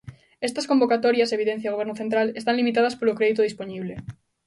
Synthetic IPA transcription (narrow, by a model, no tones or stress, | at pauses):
est̪ɐskombokat̪ɔɾjaseβiðen̟θjaɣoeɾnoθent̪ɾalest̪ãnlimit̪aðɐspolokɾeðit̪oðisponiβle